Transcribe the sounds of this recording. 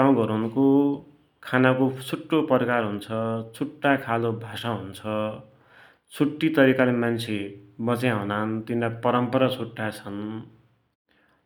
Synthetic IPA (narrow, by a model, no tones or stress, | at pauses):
aw̃ɡʌɾunko | kʰanakot͡sʰuʈːopʌrkarɦunt͡sʰʌt͡sʰuʈːakʰalobʱasaɦunt͡sʰʌ | t͡sʰuʈːit̪ʌɾikalemant͡sʰemʌt͡sjãɦunant̪inɾapʌɾʌmpʌɾat͡sʰuʈːat͡sʰʌn